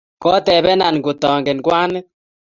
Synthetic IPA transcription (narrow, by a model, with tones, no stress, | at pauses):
kɔ˦tɛ˨βɛ˦na˨n˨ko˨tɔː˨ŋɡe˨n˨kwaː˦nɛ˦